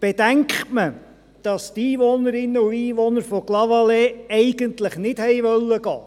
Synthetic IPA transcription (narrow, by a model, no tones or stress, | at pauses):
b̥ed̥æŋkχtmə | d̥ɑst̪iːʋɔnəɾɪnːəuiːʋɔnəɾfɔklɑʋɑleːɛɪɡəntləχnɪdhɛjʋœlːəɡ̥ɑː